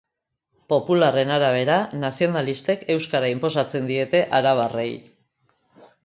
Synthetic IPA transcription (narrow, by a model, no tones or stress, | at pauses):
po̞pulare̞naɾaβ̞e̞ɾanasio̞nalist̪e̞ke̞wskaɾaimpo̞s̬at͡se̞nd̪ie̞t̪e̞ʔaɾaβarḛj